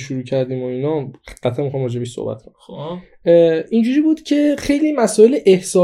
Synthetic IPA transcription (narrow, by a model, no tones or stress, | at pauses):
ʃuɾuːcʰæɾd̪iːmoinɒːɢ̥æt̪ʰæmixɒːmrɒːd͡ʒebiʃso̰bæ̰t̪̚kʰon | ind͡ʒuɾiːbuːd̪̥cʰe̞xejliːmæsɔːe̞leʔehsɒː